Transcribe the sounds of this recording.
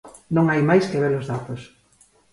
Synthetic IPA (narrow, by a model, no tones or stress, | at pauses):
nõŋajmajskeβelozðat̪os